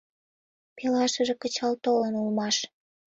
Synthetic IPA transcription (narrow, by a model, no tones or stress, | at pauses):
pelɑʃəʒĕkət͡ɕɑlt̪olənulmɑʃ